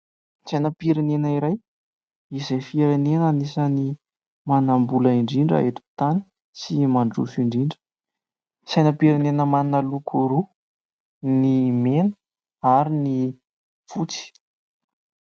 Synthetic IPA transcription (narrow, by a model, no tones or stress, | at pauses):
sajnəpiɾenenəiɾaj | izejfieɾenenanisəni | manambuləiɳɖ͡ʐiɳɖ͡ʐa̰et̪u̥t̪ani̥ | simaɳɖ͡ʐṵfiɳɖ͡ʐiɳɖ͡ʐə̥ | sajnəpiɾanenəmannalukʰuɾu | nimenə̥ | aɾini | fut͡si̥